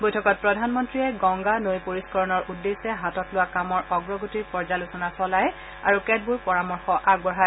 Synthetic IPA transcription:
bojtʰɔkɔt̚pɹɔdʱanmɔntɹiɛɡɔŋɡanojpoɹiskɔɹɔnɔɹʔudːesɛɦatɔtlʊwakamɔɹʔɔɡɹɔɡotiɹpɔɹzalʊsɔnasɔlaj | aɹukɛd̚buɹpɔɹamɔɹxɔʔaɡbɔɦa

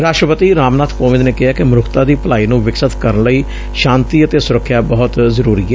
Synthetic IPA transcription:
ɾaːʃʈɾəpət̪iːɾaːmnaːt̪ʰpoːʋɪd̪neːkɪɦaːkɪmɾʊkʰt̪aːd̪iːpəlaːiːnũːʋɪksət̪kəɾənləiː | ʃãːnt̪iːət̪eːsʊɾəkʰːjaːbɔɦʊt̪zəɾuːɾiːɛː

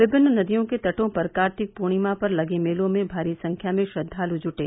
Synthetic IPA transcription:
ʋɪbɪnːnɐd̪ijõket̪ɐʈõpɐɾkaːɾt̪ʰɪk̚puːɽ̃imãpɐɾlɐɡemeːlõmẽbʱaːɾisɐ̃ŋkʰjamẽʃɐd̪ʱːaːlud͡ʒʊʈeː

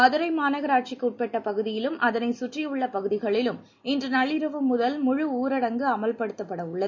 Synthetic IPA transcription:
ɐðɯɾɐɪmaːnɐɣɐɾaːʈ̚t͡ʃɪkːɯʊʈ̚pɛʈːɐpɐɣɯðɪjɪlɯmʔɐðɐnɐɪsʊʈrijʊɭːɐpɐɣɯðɪɣɐɭɪlɯm | ɪndrɯnɐɭːɪɾɐʋɯmːʊðɐlmʊɻʊuːɾɐɽɐŋɡɯɐmɐlpɐɽɯt̪ːɐpːɐɽɐʊɭːɐðɯ

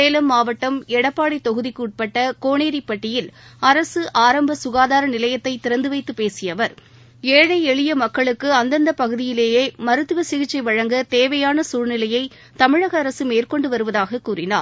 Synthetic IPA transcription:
eːlɐmːaːʋɐʈːɐmɛɽɐpːaːɽɪt̪ːɔɣɯðɪkːɯːʈ̚pɐʈːɐkoːɳeːɾɪpːɐʈːɪjɪlɐɾɐsɯʔaːɾɐmbɐsʊɣaːðaːɾɐnɪlɐjɐt̪ːɐɪt̪ːɪɾɐnd̪ɯʋɐɪt̪ːɯpeːsɪjɐʋɐɾ | eːɻɐɪɛɻɪjɐmɐkːɐɭɯkːɯɐnd̪ɐnd̪ɐpɐɣɯðɪjɪleːjeːmɐɾɯt̪ːɯʋɐsɪɣɪt͡ʃːɐɪʋɐɻɐŋɡɐt̪eːʋɐjaːnɐsuːɻnɪlɐjɐɪ | t̪ɐmɪɻɐɣɐːɾɐsɯmeːrkɔɳɖɯʋɐɾɯʋɐðaːɣɐkuːɾɪna̰ːɾ

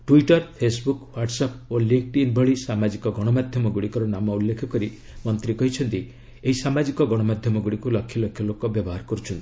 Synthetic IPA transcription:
ʈuiʈɔɾpʰesbukwaʈsapoliŋk̚ʈinbʱɔɭisamad͡ʒikɔɡɔɽ̃ɔmad̪ʱjɔmɔɡuɽikɔɾɔnamɔulːekʰɔkɔɾi | mɔnt̪ɾikɔɦit͡ʃʰɔnt̪i | eɦisamad͡ʒikɔɡɔɽ̃ɔmad̪ʱjɔmɔɡuɽikulɔkʰjɔlɔkʰjɔlokɔbjɔbɔɦaɾkɔɾut͡ʃʰɔnt̪i

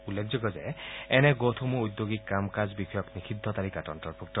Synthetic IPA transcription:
ulːekʰd͡ʒɔɡɔzeɛnɛɡot̪ʰumuud̪joɡikːamkazbikʰɔjɔknikʰid̪ʱːɔt̪aɾikatɔntɔɾpʰuk̚ʈɔ

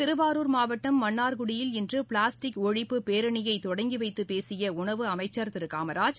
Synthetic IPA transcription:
t̪ɪɾɯʋaːɾuːɾmaːʋɐʈːɐmːɐɳːaːɾɣʊɽɪjɪlɪndrɯpɭaːsʈɪkɔɻɪpːɯpeːɾɐɳɪjɐɪt̪ːɔɽɐŋɡiʋɐɪt̪ːɯpeːsɪjɐʊɳɐʋɯɐmɐɪt͡ʃːɐɾt̪ɪɾɯkaːmɐɾaːd͡ʒ

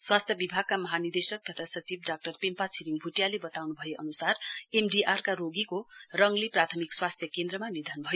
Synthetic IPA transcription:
swast̪ʰjʌbibʱaɡ̚kamʌɦanird̪esʌk̚t̪ʌt̪ʰasʌt͡sibɖak̚ʈʌrpempat͡sʰiɾiŋbʱuʈjalebʌt̪awnubʱʌjeʔʌnusaremɖiʔarkaɾoɡikorʌŋleprat̪ʰʌmikswast̪ʰjʌkend̪ɾʌmanid̪ʱanubʱʌjo

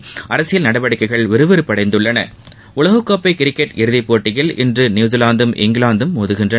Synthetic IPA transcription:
ɐɾɐsɪjɪlnɐɽɐʋɐɽɪkːɐɪɣɐɭʋɪɾɯʋɯɾɯpːɐɽɐɪnd̪ɯɭːɐnɐ̰ | ʊlɐɣɯkːɐːpːɐɪkɪɾɪkːɛʈɪɾɯðɪpːoːʈːɪjɪlʔɪ̰ndrɯnjuːzɪlaːnd̪ɯmʔɪ̰ŋɡlaːnd̪ɯmːoːðɯɣɪndrɐ

